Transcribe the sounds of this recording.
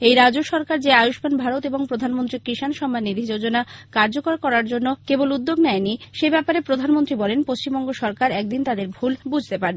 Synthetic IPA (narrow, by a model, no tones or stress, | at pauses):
ejɾad͡ʑoʃɔɾkaɾd͡ʑeajoʃbanbʱaɾot̪eboŋpɾod̪ʱanmont̪ɾikɾiʃanʃɔmːanːid̪ʱid͡ʑod͡ʑonakaɾd͡ʑokoɾkɔɾaɾd͡ʑonːokebolud̪ːoɡnɛeniʃebɛpaɾepɾod̪ʱanmont̪ɾibɔlenpost͡ɕimbɔŋɡoʃɔɾkaɾɛk̚d̪int̪ad̪eɾbʱulbud͡ʑʱt̪epaɾ